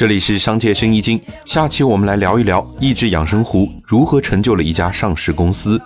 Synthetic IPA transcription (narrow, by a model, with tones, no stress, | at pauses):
ʈ͡ʂɤ˥˩li˨˩ʂɻ̩˥˩ʂɑ˥ŋt͡ɕʰjɛ˥˩ʂə˥ŋi˥t͡ɕi˥ŋɕja˥˩t͡ɕʰi˥˩wɔ˨˩mə˦nla˧˥ɪljɑ˧˥ʊi˥˩ljɑ˧˥ʊi˥˧ʈ͡ʂɻ̩˥jɑ̰˨˩ŋʂɤ˥ŋxu˧˥ | ɻu˧˥xɤ˧˥ʈ͡ʂʰɤ˧˥ŋt͡ɕjʊlə˩i˥˩t͡ɕja˥ʂɑ˥˧ŋʂɻ̩˥˩kʊ˥ŋsɹ̩˥